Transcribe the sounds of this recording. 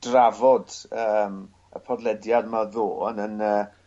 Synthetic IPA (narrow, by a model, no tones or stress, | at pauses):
d̥ravɔdəːm | ə̰pʰɔdlˠɛdjadmaðoːnənəː